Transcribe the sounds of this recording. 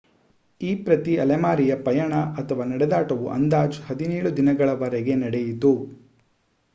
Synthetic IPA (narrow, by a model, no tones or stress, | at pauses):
iːpɾɐt̪iɐlemaːɾijɐpɐjɐɳɐʔɐt̪ʰɐʋaːnɐɽɛd̪aːʈɐʋuʔɐ̰nd̪aːd͡ʒhɐd̪inɛːɭud̪inɐɡɐɭɐʋɐɾɛɡe̞nɐɽejit̪u